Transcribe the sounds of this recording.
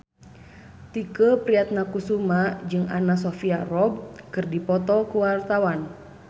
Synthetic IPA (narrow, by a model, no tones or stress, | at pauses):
t̪ikəpɾiat̪̚nakusumad͡ʒɨŋa̰nasɔfiarɔb̚kɨrdipɔt̪ɔkuwart̪awan